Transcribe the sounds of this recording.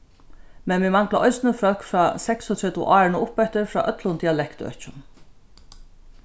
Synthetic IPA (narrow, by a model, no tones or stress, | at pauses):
mɛnmɪmaŋklaʔɔjsnɪfœlkfɾaːsɛksʊt̪ʰɹɛt̪ʊʔaːɹɪnʊʔʊpɛht̪ɪɾfɾa̰ːʔœt̪lʊnt̪iːalɛkt̪œ̰t͡ɕʊn